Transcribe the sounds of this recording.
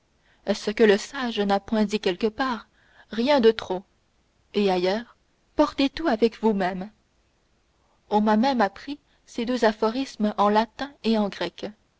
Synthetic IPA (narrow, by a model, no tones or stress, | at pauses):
ɛsəkələsaʒnapwɛ̃d̪ikʲɛlkəpaːʁ | ʁjɛ̃d̪ət̪χo | eajœːʁ | pɔʁt̪et̪uavɛkvumɛm | ɔ̃mamɛmapχi | sed̪øzafɔʁismɑ̃lat̪ɛ̃eɑ̃ɡʁɛk